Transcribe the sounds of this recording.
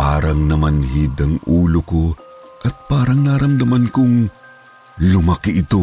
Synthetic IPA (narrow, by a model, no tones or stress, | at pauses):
aːɾɐŋnɐmanhid̪ɐŋuːloko | ʔɐt̪̚paːɾɐŋnaɾɐmd̪ɐmankʊŋ | lʊmakɪʔɪt̪o